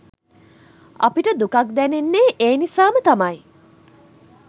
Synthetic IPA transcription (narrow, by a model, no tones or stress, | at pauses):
ʔɐ̰piʈəd̪ukɐk̚d̪ɛnenːeːʔeːnisaːmət̪ɐmɐj